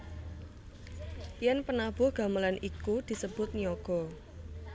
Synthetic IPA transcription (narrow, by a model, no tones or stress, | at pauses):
pjɛnpənab̥ʊ̤hɡ̥a̤məlanʔikud̪̥i̤səb̥ʊt̪̚niɔɡ̥ɔ̤